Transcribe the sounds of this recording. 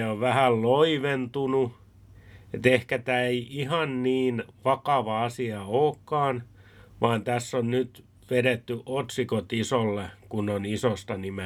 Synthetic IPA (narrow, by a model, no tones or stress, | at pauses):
oʋʋæhælloiʋent̪unu | et̪ehkæt̪æːeiihɑnniːnʋɑkɑʋɑɑsiɑoːkːɑːnʋɑːnt̪æsːonnyt̪ | ʋeɾet̪ːyʔot̪sikot̪isolːekunːonisost̪ɑnime